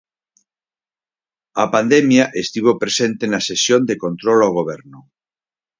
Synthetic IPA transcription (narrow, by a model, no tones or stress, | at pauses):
ɐpand̪emjaʔest̪iβ̞opɾesẽnt̪enasesjond̪ekont̪ɾolawɣ̞oβ̞ɛɾnʊ